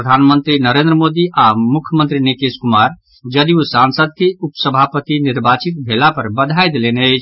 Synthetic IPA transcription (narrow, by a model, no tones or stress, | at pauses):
ɾəd̪ʱanmə̃nt̪ɾinəɾẽnd̪ɾəmoːd̪iʔamʊkʰjəmənt̪ɾinikeskʊmaːɾ | d͡ʒəd̪iusãnsəd̪̚keupsəbʱapət̪inɪɾbʱaːt͡ʃit̪̚bʱelapəɾbəd̪ʱajd̪eleneət͡ʃʰ